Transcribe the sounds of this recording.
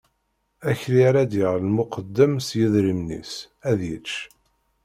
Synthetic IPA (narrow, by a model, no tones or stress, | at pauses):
æçliɾæd̪jəʁlmʊqəd̪ːəmsjəðɾimnḭs | æðjət͡ʃː